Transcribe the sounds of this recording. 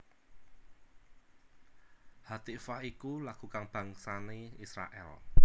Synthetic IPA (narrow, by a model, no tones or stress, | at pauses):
hat̪ifahikulaɡ̥ṳkaŋb̥ä̤ŋsaneisɾa̰ʔɛ̰l